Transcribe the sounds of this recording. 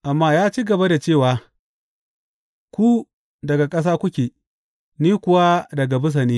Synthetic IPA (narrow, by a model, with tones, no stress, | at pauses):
ʔa˨mːaː˦jaː˦t͡ʃiː˦ɡɐ˨ba˦da˨t͡ʃeː˦˨waː˦ | kʷu˦ | dɐ˨ɡa˨kʼɐ˦s̬aː˦kʷʊ˦kʲeː˨ | niː˦kʷʊ˦wa˦dɐ˨ɡa˨bʊ˦s̬ɐ˨niː˦